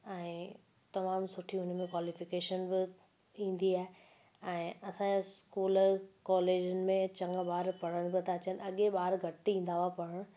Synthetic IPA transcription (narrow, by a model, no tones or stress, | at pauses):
ɛ̃ː | t̪ɐmaːmsʊʈʰiʊnmẽkwaːlɪfɪkeːʃənbɪ | ĩːn̆d̪iaːɦe | ɛ̃ːɐsãskuːlkɔːleːd͡ʑʊnɪ̆mẽt͡ɕɐ̃ŋɡɓaːɾpɐɽ̤əɽ̃bɪt̪ɐt͡ɕənɪ̆ɐɠeɓaːɾɡʱɐʈiĩːn̆d̪aːʋapɐɽəɽ̃